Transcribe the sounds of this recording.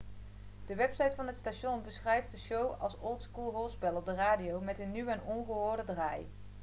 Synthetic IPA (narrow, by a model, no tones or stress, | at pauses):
d̥əʋɛpsɑjtfɑnɦətstaʃɔnbəsχrɛjft̚dəʃowɑ̰lˠsɔlˠtskulˠɦɔlˠspɛlˠɔb̚dəraːdijowmɛtənːywɛnɔnχəɦʊːɹdədraːj